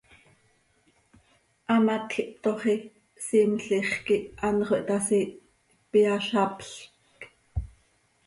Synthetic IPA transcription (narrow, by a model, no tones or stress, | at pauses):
ʔɑmat̪xiʔpt̪oχi | simɬiχkiʔʔɑnχoʔt̪ɑsi | piɑʃɑpɬkk